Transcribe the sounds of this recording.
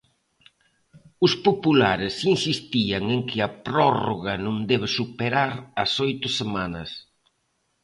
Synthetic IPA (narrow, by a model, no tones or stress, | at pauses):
ʊspopulaɾɪsinsist̪iɐŋeŋkɪɐpɾɔroɣɐnʊ̃ŋd̪ɛβ̞ɪsupeɾaɾɐsojt̪ʊsemanɐs